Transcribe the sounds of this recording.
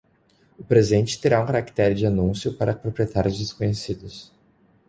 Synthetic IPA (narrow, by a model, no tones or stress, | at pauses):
ʊpɾezẽnt͡ʃɪ̥t̪eɾaũkaɾakt̪ɛɾd͡ʒɪanũsjʊpaɾɐpɾopɾiet̪aɾjʊzd͡ʒɪskõɲesid̪ʊs